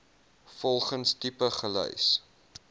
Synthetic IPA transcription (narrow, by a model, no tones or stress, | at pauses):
fɔlˠχənstipəχəlœ̰js